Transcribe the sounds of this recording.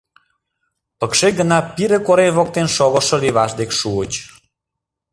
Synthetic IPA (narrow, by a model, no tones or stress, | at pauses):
pəkʃeɡənɑpiɾekoɾenβok̚t̪enʃoɣə̆ʃəliβɑʃd̪ekʃuət͡ɕ